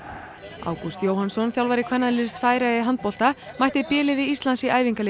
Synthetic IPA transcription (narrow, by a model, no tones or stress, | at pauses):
a̰ːwkust̪joːwhansɔnθjawlvaɾɪkʰvɛnːaðlɪɾsfaːjɾaɪɦant̪̚pɔl̥t̪a | majht̪ɪpɛːlɪðɪist̪lansɪʔaːjviŋkal